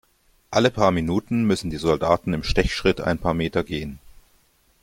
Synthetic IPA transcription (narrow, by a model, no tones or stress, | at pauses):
ʔaləpʰaːɐminuːtn̩mʏsn̩diːzɔldaːtn̩ɪmʃtɛçʃʁ̥ɪtʰa̰ɪnpʰaːɐmeːtɐɡeːən